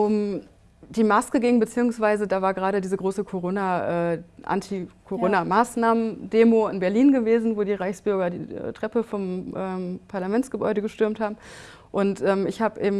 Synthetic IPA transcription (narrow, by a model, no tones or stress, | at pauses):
ʔʊm | d̥iːmaskəɡɪŋbət͡siːʊŋsv̥aɪzədaːvaːɐɡəʁaːɾədiːzəɡʁoːsəkʰoʁoːnaʔɛːʔa̰ntʰikʰoʁoːnamaːsnaːməndeːmoɪnbɛɐliːnɡəveːzn̩voːdiːʁaɪçsb̥ʏɐɡɐdḭːɛ̰ːtʁ̥ɛpəfɔmʔɛːpʰaɐlamɛnt͡sɡ̥əbɔ̰ʏɾəɡəʃtʏɐmthaːbm̩ | ʔʊntʔɛːmɪçhaːbəʔeːbm̩